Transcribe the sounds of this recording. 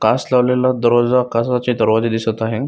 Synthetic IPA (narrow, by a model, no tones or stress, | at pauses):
kaslaʋlelad̪əɾʋad͡zakasat͡ɕid̪əɾʋad͡ʑed̪isət̪aɦe